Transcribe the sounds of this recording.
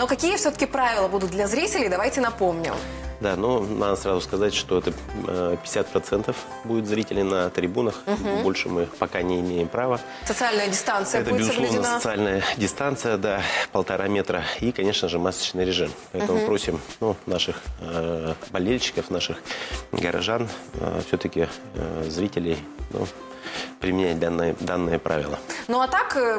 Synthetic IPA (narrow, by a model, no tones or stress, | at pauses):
nokɐkʲijəfsʲɵt̪ə̥kʲɪpɾavʲɪlˠəbud̪ʊt̪̚d̪lʲɐzɾʲitʲɪlʲɪjd̪ɐvajtʲɪnɐpo̞mnʲɪ̰md̪anonad̪əsɾazʊskɐzatʲʂt̪o̞ɛt̪əpʲɪ̥ɪsʲat̪̚pɾɐt̪sɛnt̪əf | budʲɪt̪zɾʲitʲɪlʲnənət̪ɾʲɪbunəxbo̞lʲʂɨmɨpɐkanʲɪɪmʲejɪmpɾavə | sət̪sɨalʲnəjədʲɪst̪ant̪sɨjəɛb̪t̪əɪbɪzsˠovɪənsaətsɨalʲnəjədʲɪst̪ant̪sɨjəd̪apəlˠt̪ɐɾʔamʲe̞t̪ɾəikɐnʲe̞ʂnəʐɨmasə̥t͡ɕnɨjɾʲɪʐɨmppɐɛt̪əmʊpɾo̞sʲɪmnunaʂɨx | bɐlʲelʲɕːɪ̥kəfnaʂɨxɡəɾʔɐ̰ʐan̰fsʲɵt̪əkʲɪ | zɾʲitʲɪlʲɪj | nṵ | pɾʲɪmʲɪnʲæt̚ʲd̪anːɨjəd̪anːɨjəpɾʔa̰vʲɪlˠə̰noɐt̪ak